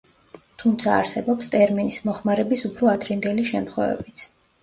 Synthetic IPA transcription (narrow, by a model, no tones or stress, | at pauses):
t̪ʰumt̪sʰa̰ːɾsɛbɔpst̪ʼɛɾminismɔχmaɾɛbisupʰɾɔad̪ɾind̪ɛliʃɛmt̪χwɛ̰vɛ̰bit̪sʰ